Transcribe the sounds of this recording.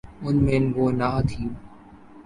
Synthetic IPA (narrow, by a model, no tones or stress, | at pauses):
ʊnmẽːnɡoːnaːt̪ʰiː